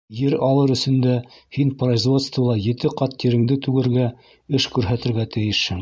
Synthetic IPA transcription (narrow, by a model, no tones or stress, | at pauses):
jɘɾɑlˠɤɾɵ̆sɵ̆nd̪æhinproizvo̞t̪st̪vɤlˠɑjɘ̆t̪ɘqɑt̪ːiɾɘ̆ŋd̪ɘt̪ʉɡɘ̆ɾɡæ | ɘʃkʉɾɦæt̪ɘ̆ɾɡæt̪ɘ̆jɘʃhɘŋ